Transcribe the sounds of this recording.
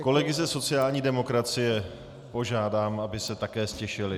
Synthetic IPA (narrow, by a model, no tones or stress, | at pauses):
ko̞lɛɡɪzɛso̞t͡sɪjaːlɲiːdɛmo̞kɾat͡sɪjɛ | po̞ʒaːdaːmʔabɪsɛt̪akɛːscɛʃɪlɪ